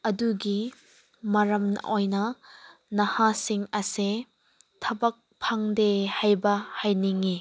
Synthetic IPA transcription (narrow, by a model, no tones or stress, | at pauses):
ɐduɡi | mɐɾɐmnɐ̰ʔojnɐnɐhasiŋɐse | tʰɐbɐk̚pʰaŋdehajbɐhajniŋi